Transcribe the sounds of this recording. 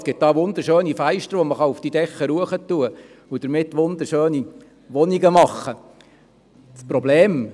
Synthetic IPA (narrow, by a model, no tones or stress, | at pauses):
sɡ̥ɪt̚d̥ɑːʋʊnd̪əɾʃøːnifæɪʃt̪əɾʋɔməχɑufd̥idɛχːəɾuəχətːuə | ʊd̥̪əɾmɪt̪ːʋʊnd̪əɾʃøːni | ʋɔniɡəmɑχːə | t͡spɾɔbleːm